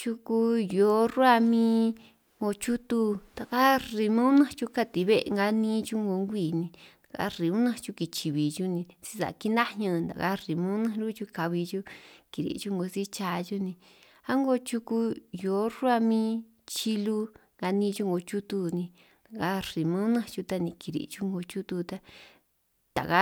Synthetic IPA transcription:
t͡ʃu˧ku˧jo˨˦ru˦a˦˧mĩː˦ | ŋɡo˧t͡ʃu˦t̪u˧t̪a˨ka˦ri˧mõ˦nã˦t͡ʃu˧ka˧t̪i˨˧βḛ˦˧ŋɡa˧˦nĩ˦t͡ʃu˦ŋɡo˧˦ŋɡʷiː˦˨nĩ˧nḁ˨ka̰˧˦ɾi˨mũ˦nã˦t͡ʃu˧ki˧t͡ʃi˨βi˨t͡ʃu˦nĩ˧t͡si̥˧sa̰˨ki˦nã˦hɲã˧nd̪a̰˨ka̰˦ri˨mõ˦nã˦ɾu˦t͡ʃu˧ka˧βi˧t͡ʃu˦ki˨ɾḭ˨t͡ʃu˦ŋɡo˧si˦t͡ʃa˧ʒu˦nĩ˧ | a˦ŋɡo˧˦t͡ʃu˧ku˧jo˨˦ɾu˦a˧mĩ˦ | t͡ʃi˧lu˦ŋɡa˧nĩː˦˧t͡ʃu˦ŋɡo˧t͡ʃu˦t̪u˧nĩ˧ | na˨ka˧˦ri˨mã˦nã˦˧t͡ʃu˧t̪a˧nĩ˧ki˨˧ɾḭ˨t͡ʃu˦ŋɡo˧t͡ʃu˦t̪u˧t̪a˧ | t̪a̰˨ka˦

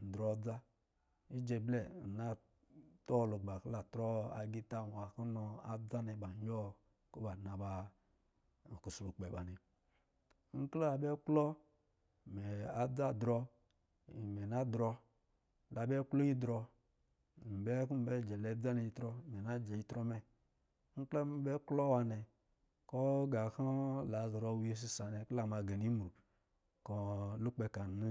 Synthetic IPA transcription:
n̩˨dɾɔ˨˦d͡za˦ | i˦d͡ʒe˨blɛ˦˨na˦ | tɔ˦˨lo˨ɡ͡ba˨kla˨tɾɔ˦a˨ɡi˦ta˦˨a˨ku˦nɔ˨a˨d͡za˦ni˨ba˨˦jɔ˦ | ko˦ba˨na˨ba˨ | ku˨slu˨k͡pe˨ba˨ni˨˦ | ŋ̩˦kla˨bɛ˦klɔ˦˨ | mɛ˨a˨d͡za˦˨dɾɔ˧˨ | mɛ˨na˦dɾɔ˧˦ | la˨be˦klo˦ji˦dɾɔ˧˨ | m̩˨bɛ˦ku˦m̩˨bɛ˦˨d͡ʒɛ˨le˨˦da˦ne˨i˨˦tɾɔ˦˨me˨na˦d͡ʒe˨ji˦tɾo˦mɛ˦ | ŋ̩˦kla˦m˦bɛ˦klo˦wa˨nɛ˨ | kɔ˦ɡa˨ha˦la˨zɾo˨we˦s̬i˦sa˨ne˨kla˦˨ma˨ɡe˨ni˦m˨ɾu˨ | ko˨lu˦k͡pe˨ka˨˦

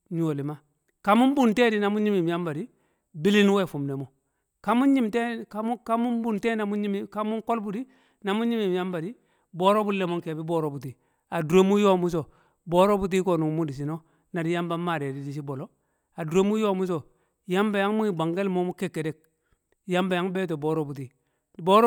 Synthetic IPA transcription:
ɲu˨o˨li˨ma˦ | ka˨˦mu˦m˦bu˨nte˦di˦na˨mu˦ɲi˦mi˨m˨ja˦mba˨di˦ | bi˦li˦n˦we˦˨fu˨mne˨mo˨ | ka˦mu˦n˦ɲi˦mte˦ka˦ka˦mu˦mbu˦˨nte˦na˨mu˦i˦m˦ka˦mu˦ŋ˦ko˦lbu˦di˦ | na˨mu˦ɲi˦mi˨m˨ja˦mba˨di˦ | bo˦ɾo˦bu˦lːe˨mo˦ŋke˨bi˦bo˦˨ɾo˦bu˨ti˨ | a˨du˨ɾe˦mu˦jo˦mu˦s̬o˨ | bo˦ɾo˦bu˦t̬i˦ko˨nu˨ŋ˦mu˦di˨s̬i˨no˦ | na˨di˦ja˦mba˦mːa˨ɾe˨di˨˦di˨s̬i˦bo˨lo˦ | a˨dɾe˦mu˦jo˦mu˦s̬o˨ | ja˦mba˨ja˦ŋmu˦ŋi˨ba˨ŋɡe˦lmo˦mu˦ke˦˨kːe˨de˨k̚ | ja˦mba˨ja˦ŋbe˦t̬o˨bo˨ɾo˦bu˨t̬i˨ | bo˦ɾ

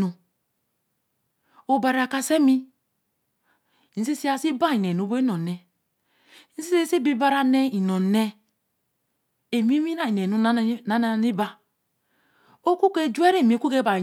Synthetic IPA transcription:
u˨ | o˨ba˨ɾa˨ka˦se˦mi˦˨ | n̩˦si˦si˦a˦si˦ba˦i˨ne˨nu˨˦be˦i˦no˨ne˨ | n̩˦si˦se˦si˦bi˦ba˦ɾa˨ne˦i˨no˨ne˦ | e˨mi˦mi˦na˦i˨e˨u˦na˦na˦ni˦ba˦ | o˦ku˦ke˦˨d͡ʒu˦e˦ɾe˦˨mi˨˦ku˦ke˦ba˨

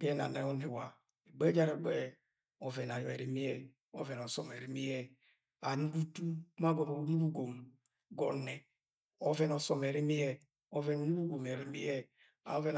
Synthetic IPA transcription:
bɛ˦na̰˨ne˨˦ɔ˦ni˨wa˨ | e˨ɡ͡bɛ˦d͡ʒa˦ɾe˨ɡ͡bɛ˦ | ɔ˨vɛ˨n˨a˨jɔ˨e˨ɾi˨mi˦jɛ˨ | ɔ̰˦vɛ˨nɔ˨sɔ˨me˨ɾi˦mi˦jɛ˦ | a˨nu˦bu˦tu˦ma˦ɡɔ˨mo˨u˦nu˦bu˦ɡo˨m | ɡɔ˨nɛ˨ | ɔ˦vɛ˦nɔ˨sɔ˨me˨ɾi˦mi˦jɛ˦ | o˦vɛ˨nu˨nu˦bu˦ɡo˨m˨e˨ɾi˦mi˦jɛ˦ | a̰˨o˦vɛ˦n˨

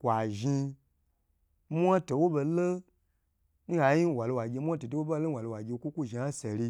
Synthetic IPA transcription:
kʷa˨ʒi˧ | mʷ˦a˦to˨wo˦be˧lə˦ | n̩˦a˧˦ji˦˨wa˨lo˧wa˨ɡʲe˧mʷ˦a˦to˨to˨wo˦ba˦lo˦wa˨lo˧wa˨ɡʲe˧˦kʷu˦kʷu˦˨ʒi˨a˦se˨li˧

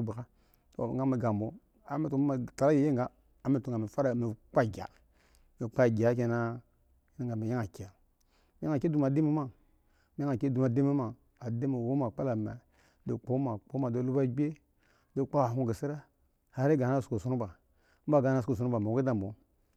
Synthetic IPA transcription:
bi˨ka˦ | to̰˨˦ɡa˨˦mi˨ɡa˨mbo˨˦ | a̰˨me˨tu˨˦ma˨ta˨ɾa˦je˨˦e˦ŋɡaː˨˦˨ | me˦tu˨ŋɡa˨me˨fa˦ɾa˨me˨k͡pa˦˨ɡʲa̰˨ | me˨k͡pa˦˨ɡʲa˨˦ke˨na˦ | i˦na˦ŋ˦ɡa˨me˨ja˦ŋa˨ki˨a˨˦ | ja˦ŋa˨kdu˨ma˨di˦mi˦ma˦ | ja˦ŋa˨ke˦du˨ma˨di˦mi˦ma˨ | a˨de˦mi˨wo˦ma˨k͡pa˦la˨me˨ | do˨k͡po˨˦ma˨k͡po˦ma˨do˨˦lu˦ba˦ɡ͡be˦ | do˨k͡pa˦a˨ɦu˦ɡi˨si˦ɾa˦ | ha˨˦ɾi˦ɡa˨˦a˦su˨ko˨su˨˦u˦ba˨ | m̩˦ba˦˨ɡa˨˦na˦˨su˨ko˨s̬u˨nu˦ba˨me˨o˨˦i˦da˨mbo˨˦

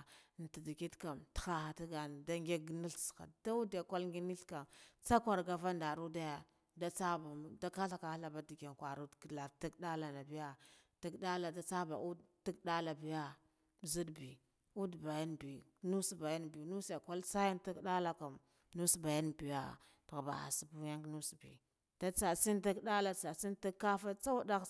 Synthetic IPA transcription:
n˨ti˨di˨ki˦tka˨mtxa˦xa˨ti˦ɡa˨n˨da˦ŋɡʲe˦ɡni˦ɬsxa̰˨da˦u˦dja˨ka˦lŋɡi˦ni˦ɬka˨mt͡sa˦kʷa˨ɾɡa˨va˦nda˨ɾu˦da˦ja˨ | da˦t͡sa˦ba˨da˦ka˦ɬa˨ka˨˦ɬa˨ba˦di˨ke˨nkʷa˨ɾu˦dkla˨ti˦ɡda˦la˨na˨bi˦ja˦ti˦ɡda˦la˨da˦t͡sa˦ba̰˨ʔu˦dti˦ɡda˦la˨bi˨ja˦˨ | zi˦dbi˨ | u˦dba˨ja˦nbi˨˦nu˦sba˨ja˦nbi˨nu˦sja˨kʷa˦lsa˦ja˦nti˦kɗa˦la˨ku˨m | nu˦sba˨ja˦nbi˨ja˦ | tɣba̰˨a̰˨si˨bu˦ja˦ŋknu˦sbḭ˨ | d̥a˦t͡sa˨si˦nti˦kda˦la˨t͡sa˨si˦nti˦kːa˦fa˦t͡sa˦wa˦da˦

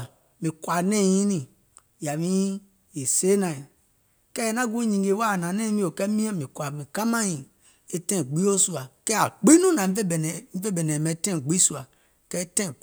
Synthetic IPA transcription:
mĩ˨kwa˨nẽ˦˨jĩ˦nĩ˦˨ | ja˨mĩ˦ | e˨se˦nã˨i˨ | kɛ˦e˨˦na˦ɡu˦i˦ɲĩ˨ŋɡe˨˦wa˦˨nã˨ne˦mĩ˦o˨kɛ˦mĩ˦a˦mĩ˨ka˨mĩ˨ka˦mã˦jĩ˨ | e˦tẽ˦˨ɡ͡bi˦o˦su˦a˨kɛ˦a˨ɡ͡bi˦nũ˦nã˨m˦e˦˨n˨mi˦ve˦bɛ˨ne˨me˨˦tẽ˦˨ɡ͡bi˦su˦˨a˨ | kɛ˦tɛ̃˦˨

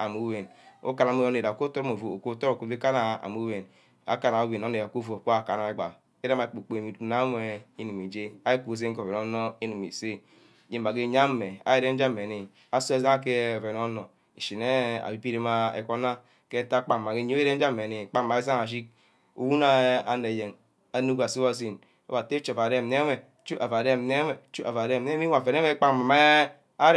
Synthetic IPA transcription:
a˨mu˦we˨n | o̰˦ka˨n˨a˨mo˦˨o˦e˨ɾa˨o˨ko˦to˦o˦mo˨vo˨o˨ko˦˨˦to˦ɾo˨ko˨ve˦ka˦na˨a̰˨mu˦we˨n | a̰˨ka˨na˨o˦we˨no˨˦ne˨a˨ko˦˨o˨ko˦a˨ka˨na˨e˦ɡ͡ba̰˨ | e˦ɾa˦ma˨e˨k͡po˨k͡po˨e˨mi˨tu˨na˦m˦e˦i˦nu˨mi˨d͡ʒe˦a˦i˦ku˨o˦˨s̬e˦ŋ˦ko˨ve˨no˦no˦i˦nu˨mḭ˨se˦˨ | d͡ʒe˨˦m˨a˨ɡe˦˨ɲa˦e˨a̰˨˦ji˦ɾe˦n˦d͡ʒa˦me˨ni˨ | a˦su˦e˦za˦a˦ke˦˨ve˨n˦o˦nɔ˨ | i˨ʃi˨ne˦a̰˨bi˨pi˦ɾe˦ma˦ḛ˦˨ko˦na˦ | ke˦ta˦k͡pa˦˨ma˨ke˦ɲ˦o˦ɾe˦n̩˦d͡ʒa˦˨e˨i˨k͡pa˦˨ma˨e˦s̬a˦a˨ʃ̬i˦k̚ | ṵ˨wu˦na˦a˨ne˨je˨ŋ | a˨nu˦ka˨si˦wa˦˨s̬i˦˨n | o̰˦ba˨te˦t͡ʃo˨pa˨ɾe˦˨m˨ne˦e˨ | t͡ʃu˦a˨va˨ɾe˦˨m˨ne˦me˨t͡ʃu˦a˨va˨ɾe˦˨m˨e˦mi˦a˨ve˨n˦me˦k͡pa˦ma˨ma˦ | a˦ɾ

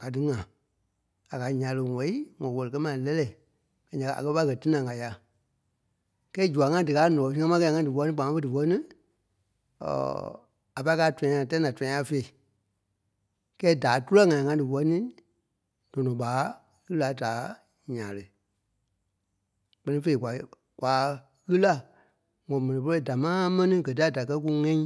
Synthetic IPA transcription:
ka˨dɨ˨ŋã˨ | a˨ka˨ɲã˨lə˧˨ŋɛ˨˦i˦ŋɔ̃˨wɔ˧lɨ˨kɜ˦mã˨˦lɛ˦lɛ˦˨ | kã˨˦ɲã˨ka˧˨a̰˨kɜ˦pa˦kɜ˧˨ti˦nã˨ŋa˨ja˨˧ | kɛː˦d͡ʒu˨a˨ŋã˦dɨ˨kaː˨˦nɔ̃˨ɔ̃˨sĩ˦ŋã˦mã˦kɛ˧˦ã˧ŋã˧˦dɨ˨wɔ˧˦nĩ˦k͡pã˨mã˦fə˦dɨ˨wɔ˧˦nĩ˦˨ | a˨pa˧˦kaː˨˦tw̃ã˧˨tã˦nã˨twã˦ã˧˦fe˧˨i˨ | kɛː˦da˨˦tu˦lɛ˦ŋã˨ĩ˨ŋã˧˦dɨ˨wɔ˧˦nĩ˦ | d̥ɔ̃˨nɔ̃˨ɓaː˨˦ | ɣɨ˦la˨˦daː˨˦ | ɲãː˨lə˨ | k͡pɜ˧nĩ˦fe˧i˦˨kʷa˨ | kʷaː˨˦ | ɣɨ˦la˦ | ŋɔ̃˨mɛ̃˨nĩ˨p̬o˧˦o˧˨da˨mãː˦mɛ̃˦nĩ˦ɡɜ˨t̬i˦a˦˨da˨kɜ˧˦k̬u˧ŋɛ̃˦ĩ˦

